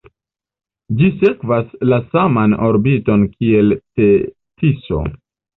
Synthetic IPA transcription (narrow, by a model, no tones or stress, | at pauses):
d͡ʒise̞kvaslasamano̞ɾbito̞nkie̞lte̞ | tiso̰